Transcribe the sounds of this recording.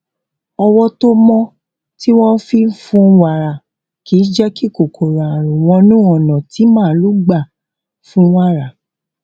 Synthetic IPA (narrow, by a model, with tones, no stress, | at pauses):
ɔ˧wɔ˦to˦mɔ̃˦ | ti˦wɔ̃˦fi˦fũ˧˦wa˨ɾa˨ | ki˨˦d͡ʒɛ˦ki˦˨ko˨kʰo˨ɾa˨ɾũ˨w̃ɔ̃˧nũ˦ɔ˨nɔ̃˨ti˨˦mãː˦˨˦lu˦ɡ͡ba˦˨ | fũ˦wa˦˨ɾa˨